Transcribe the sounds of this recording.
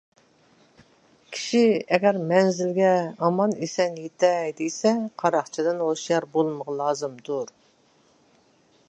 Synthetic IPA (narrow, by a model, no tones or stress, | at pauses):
kʲʰi̥ʃiɛɡʲɛɾmɛnzɪlɡʲɛɑmɑnesɛnjet̪ʰɛjd̪ejsɛqʰɑɾɑχt͡ʃʰid̪ɨnhoʃjɑɾbolˠməʁɑlˠɑːzɨmd̪uɾ